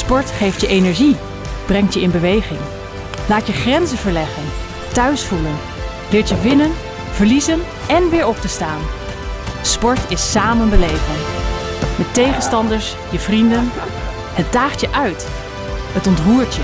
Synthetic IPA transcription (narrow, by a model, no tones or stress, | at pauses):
spɔɹtχejftjəʔejnɛɹʒi | b̥rɛŋtjəɪnbəʋejχɪŋ | laːtjəχrɛnzəvəɹlɛχən | tœɥsfulən | lɪːɹtjəʋɪnən | v̥əɹlizən | ɛnʋɪːɹɔp̚təstaːn | spɔɹtɪsːaːmənbəlejvən | mɛtejχənstɑndəɹs | jəvrindən | hət̚daːχtjəʔœɥt | ɦətɔntruːɹtjə